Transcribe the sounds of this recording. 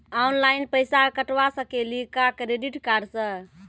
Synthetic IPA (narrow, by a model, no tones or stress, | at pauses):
aunlajnpəjsakəʈʋasə̃kelikakɾeɖiʈkaɾsə̃